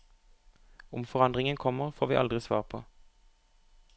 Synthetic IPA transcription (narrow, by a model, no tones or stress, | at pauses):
ʊmfɔʁɑnd̪ʁɪŋənkʰɔməʁfoːʁʋiːʔɑ̰ld̪ʁɪsʋɑːʁpʰo̰ː